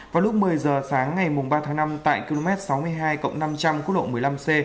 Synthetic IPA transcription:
vaː˨˩lʊ˦˥k͡p̚mɨ˨˩əjzəː˨˩saː˨˦ŋːa˨˩jmʊ˨˩ŋ͡mɓaː˧t̪ʰaː˨˦ŋna˧mt̪a̰ː˧˨jki˧lo˧mɛ˦˥t̚sa˨˦wmɨ˧əjɦaː˧jkə̰˧˨wŋ͡mna˧mt͡ɕa˧mku˦˥t̚ɗo̰˧˨˩mɨ˨˩əjla˧mse˧

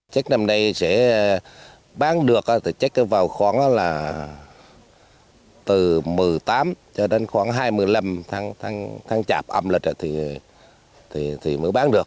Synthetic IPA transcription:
t͡ɕa˦˥k̟̚na˧mna˧jsɛ̰˧˥ | ɓaː˨˦nɗɨ˨˩ək̚ʔaː˧˩t̪ʰi˨˩t͡ɕa˦˥k̚ʔvaː˨˩wxwaː˧˩nʔaː˧˦˥laː˨˩ | t̪ɨ˨˩mɨ˨˩jt̪aː˨˦mt͡ɕɔ˧ɗe˨˧˦nxwaː˧˩ŋɦaː˧jmɨ˧˩əjla˧mt̪ʰa˧ŋt̪ʰa˧ŋt̪ʰa˧ŋt͡ɕa̰ː˨˩p̚ʔə˧mli˨˩k̟̚a˧˩t̪ʰi˨˩ | t̪ʰi˨˩t̪ʰi˨˩mə˨˦ɓaː˨˦nɗɨ˨˩ək̚

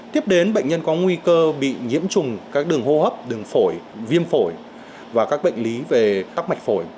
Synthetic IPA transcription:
t̪i˦˥əp̚ɗe˨˦nɓə̰˧˨jŋ̟ɲə˧nkɔ˨˦ŋwi˧kəː˧ɓḭ˧˨ɲḭ˧˥əmt͡ɕʊ˨˩ŋ͡mkaː˦˥k̚ɗɨ˨˩əŋho˧həː˦˥p̚ɗɨ˨˩əŋfo˧˩jvi˧əmfo˧˩j | vaː˨˩kaː˦˥k̚ɓə̰˧˨jŋ̟li˨˦ve˨˩a˦˥k̚ma˨˩jk̚fo˧˩j

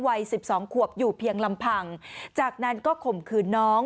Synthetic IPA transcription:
wa˧jsi˨˩p̚sɔː˩˦ŋkʰu˨˩əp̚juː˨˩pʰi˧əŋla˧mpʰa˧ŋt͡ɕaː˨˩k̚na˦˥nkɔː˥˩kʰo˨˩mkʰɯː˧nnɔː˦˥ŋ

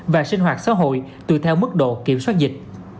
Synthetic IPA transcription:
vaː˨˩sï˧ŋ̟ɦwaː˨˩t̚sa̰ː˧˥ɦo̰˧˨jt̪ɨ̰˧˨t̪ʰɛ˧wmɨ˦˥k̚ɗo̰˧˨ki˧˩əmswaː˦˥t̚zï˨˩k̟̚

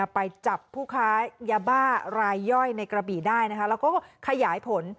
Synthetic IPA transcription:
pa˧jt͡ɕa˨˩pʰːuː˥˩kʰaː˦˥jaː˧˩baː˥˩ɾaː˧jːɔ˥˩jna˧jkɾa˧biː˨˩daː˥˩jna˦˥kʰa˦˥lɛː˦˥wkɔː˥˩kʰa˧jaː˩˦jpʰo˨˦n

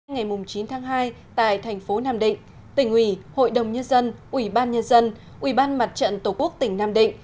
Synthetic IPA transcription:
ŋa˨˩jmʊ˨˩ŋ͡mt͡ɕi˨˦nt̪ʰaː˨˦ŋɦaː˧j | t̪a̰ː˧˨jt̪ʰɛ˨˩jŋ̟fo˨˦naː˧mɗḭ̈˧˨ŋ̟ | t̪ï˧˩ŋ̟ʔwi˧˩ho̰˧˨jɗə˨˩wŋ͡mɲə˧nzə˧nʔwi˧˩ɓaː˧nɲə˧nzə˧n | ʔwi˧˩ɓaː˧nma˨˩t̚t͡ɕə̰˧˨nt̪o˧˩ku˦˥ək̚t̪ï˨˩ŋ̟naː˧mɗḭ̈˧˨ŋ̟

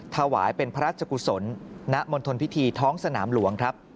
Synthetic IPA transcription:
t̪ʰa˧wa̰ː˩˦jpe˧npʰa˧ɾaː˥˩t͡ɕʰa˧ku˧˩so˩˦nːa˦˥ʔmo˧nt̪ʰo˧npʰi˦˥t̪ʰiː˧t̪ʰɔː˦˥ŋsa˧na̰ː˩˦mlu˨˩˦əŋkʰɾa˦˥p̚

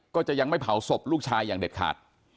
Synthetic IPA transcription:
kɔː˥˩t͡ɕa˨˩ʔja˧ŋma˥˩jpʰa˨˩˦wso˨˩p̚luː˥˩k̚t͡ɕʰaː˧jːaː˨˩ŋde˨˩t̪̚kʰa̰ː˨˩t̪̚

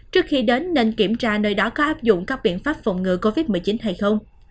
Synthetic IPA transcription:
t͡ɕɨ˦˥ək̚xi˧ɗe˨˦nːe˧nki˧˩əmt͡ɕaː˧nəː˧jɗɔ˨˦kɔ˨˦ʔaː˦˥p̚zʊ̰˧˨ŋ͡mkaː˦˥k̚ɓḭ˧˨ənfaː˦˥p̚fə̰˧˨wŋ͡mŋɨ̰˧˨ko˧vi˦˥t̚mɨ˨˩ət͡ɕi˨˦nɦa˧jxə˧wŋ͡m

